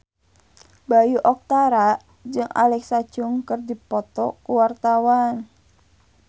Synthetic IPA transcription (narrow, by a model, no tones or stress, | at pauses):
bajuʔɔk̚t̪aɾa | d͡ʒɨŋa̰lɛksḁd͡ʒʊŋkɨrdipɔt̪ɔ̰kuwart̪awan